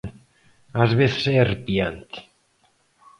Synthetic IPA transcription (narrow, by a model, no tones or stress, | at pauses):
azβeθseerpiant̪